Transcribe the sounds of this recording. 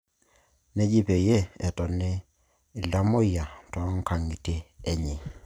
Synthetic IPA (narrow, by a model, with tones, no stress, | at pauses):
nɛ˦ɟi˦pe˨je˦ɛ˨tɔ˨nɪ˦˨ | la˦mo˦ja˨tɔ˨˦ŋ̩˦kʰa˨ŋi˨teː˦˨ɲɪ˨